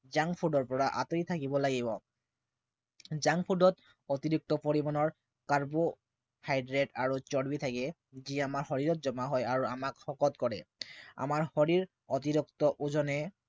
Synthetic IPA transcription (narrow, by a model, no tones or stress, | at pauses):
zaŋpʰudɔɹpɔɹaʔat̪ojt̪ʰakibɔlaɡibɔ | zaŋpʰudɔt̪ | ot̪iɹuk̚t̪ɔpɔɹimanɔɹ | kaɹbo | hajdɹeʈaɹut͡ʃɔɽbit̪ʰakɛ | ziamaɹxɔɹiɹɔt̪̚zɔmaɦɔjaɹuamakxɔkɔt̪kɔɹɛ̰a̰maɹhɔɹiɹ | ot̪iɹukt̪ɔʔuzɔnɛ